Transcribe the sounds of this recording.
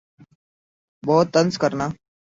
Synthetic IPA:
bɔːt̪ːənskəɾnaː

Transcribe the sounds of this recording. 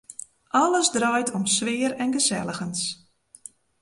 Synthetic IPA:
ʔɑləzdrœjtʰɔmsʋɪəɾɛnɣəzɛləɣəns

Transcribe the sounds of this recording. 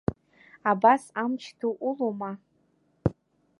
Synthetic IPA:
abasamt͡ʃʰtʰuʔuloma

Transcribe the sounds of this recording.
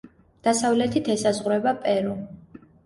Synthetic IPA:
d̪̥asavlɛt̪ʰit̪ʰɛsazʁɾɛbapʼɛɾu

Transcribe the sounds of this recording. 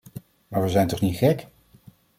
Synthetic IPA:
maːɹʋəzɛjntɔχnitχɛk

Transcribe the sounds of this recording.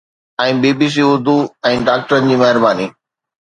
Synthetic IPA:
ɛ̃ːbeːbis̬iːʊɾd̪ʱuɛ̃ːɖaːk̚ʈəɾənɪ̆d͡ʑiːmɛɦɪɾbaːniː

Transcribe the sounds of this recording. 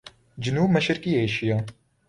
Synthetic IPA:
d͡ʒɪnuːbmɐʃɪɾkiːeːʃijɑː

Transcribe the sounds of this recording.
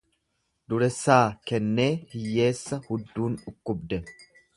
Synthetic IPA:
d̪ʊɾɛsːaːkɛnːe̞ːhɪjːe̞ːsːɐhʊd̪ːuːnᶑʊkːʊbd̪ɛ

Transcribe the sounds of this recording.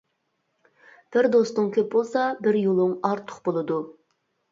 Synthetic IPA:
b̥ɪɾd̪o̞st̪əɴkʲʰɵp̚bolˠsɑbɪɾjolˠəɴɑɾt̪ʰːə̥qbolˠəd̪u

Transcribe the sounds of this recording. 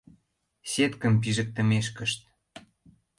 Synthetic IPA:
set̪kə̆mpiʒə̆k̚t̪ə̆meʃkə̆ʃt̪̚

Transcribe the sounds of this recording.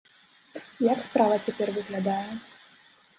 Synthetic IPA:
jakspɾavɐt͡sʲapʲɛrvɨɣlʲad̪ajɛ

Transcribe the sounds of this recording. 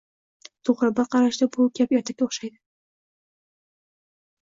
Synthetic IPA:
t̪ʰoʁɾɪbaqʰɑɾaʃd̪abʊkʲʰapeɾt̪ʰap̚kʲaoχʃajd̪ɪ

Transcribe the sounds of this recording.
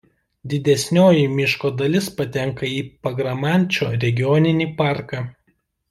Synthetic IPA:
d̪ʲɪd̪ʲɛsʲnʲoːjimʲɪʃkoːd̪ɐlʲɪspɐt̪ʲɛŋkɐiːpɐɡɾɐmɑˑnʲˑt͡ʃʲoːɾʲɛɡʲɪjɔnʲɪnʲiːpɑˑɾkɑː

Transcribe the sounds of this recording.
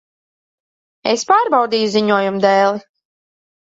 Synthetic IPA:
ḛspaːɾbawd̪iːjuziɲuɔjumd̪ɛːlˠi

